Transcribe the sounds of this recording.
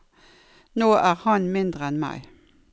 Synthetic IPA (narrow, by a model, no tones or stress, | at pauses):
noːʔæːʁhɑnmɪnd̪ʁəɛnmæ̰ɪ